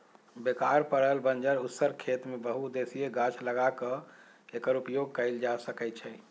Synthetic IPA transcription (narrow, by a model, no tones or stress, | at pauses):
bekaɾpəɽəlbənd͡ʒəɾut̪səɾkʰet̪mebəɦud̪esijeɡat͡ʃʰləɡakə | ekəɾupjoɡ̚kəɪld͡ʒasəkɛt̪t͡ʃʰɛ